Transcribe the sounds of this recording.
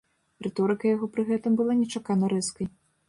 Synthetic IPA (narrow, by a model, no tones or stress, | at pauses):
rɛt̪ɔɾɨkɐjaɣɔpɾɨɣɛt̪ɨmbɨlˠanʲɛt͡ʂakanɐɾɛskɐj